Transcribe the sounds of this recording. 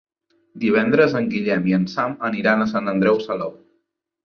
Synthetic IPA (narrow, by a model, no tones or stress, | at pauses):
d̪iβɛnd̪ɾəzəŋɡiʎɛmiənsaməniɾanəsant̪ənd̪ɾɛwsəlo